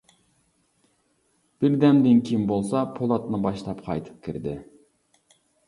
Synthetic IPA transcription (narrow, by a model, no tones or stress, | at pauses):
b̥ɪɾd̪ɛmd̪ɪnkʲʰimbolˠsɑpʰolˠɑt̪nɨbɑʃt̪ˠɑpqʰɑ̰jt̪ʰɨ̥p̚kʲʰiɾd̪ɪ